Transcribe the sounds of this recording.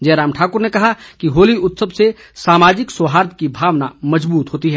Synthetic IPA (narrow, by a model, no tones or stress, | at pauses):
d͡ʒɛːɾaːmʈʰaːkʊɾnekɐɦakiɦoːliʊt̪səbse | saːmaːd͡ʒɪksoɦaːɾd̪̚kibʱaːʋna̰mɐd͡ʒbuːt̪ɦoːt̪iɦɛː